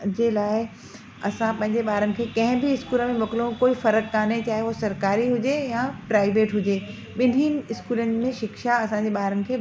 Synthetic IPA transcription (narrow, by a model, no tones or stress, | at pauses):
d͡ʑeːlaːɪ | ɐsãpɐ̃ɦɪ̃ɲd͡ʑeɓaːɾənɪ̆kʰeːkɐ̃ɦɪ̃bɪɪskuːləmẽmɐkɪlõkoːifɐɾəkːaːnet͡ɕaːɦeʋosɐɾkaːɾiɦʊd͡ʑejãpɾaːɪʋeːʈɦʊd͡ʑeː | ɓɪn̤inɪ̆ɪskuːlənɪ̆mẽʃɪkʃaɐsãɲd͡ʑeɓaːɾənɪ̆kʰeː